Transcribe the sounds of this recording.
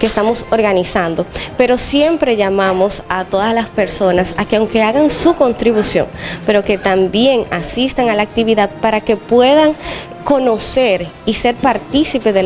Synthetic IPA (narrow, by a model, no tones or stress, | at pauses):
kest̪amo̞so̞ɾɣanisand̪o̞pe̞ɾo̞sje̞mpɾe̞ʝamamo̞sat̪o̞ðaslaspe̞ɾso̞nasakeawŋke̞aɣaŋsuko̞nt̪ɾiβusjo̞̰ŋpe̞ɾo̞ke̞t̪ambje̞ŋasist̪aŋalaːk̚t̪iβiðað̚paɾake̞pwe̞ðaŋ | ko̞no̞se̞ɾise̞ɾpaɾt̪isipeðe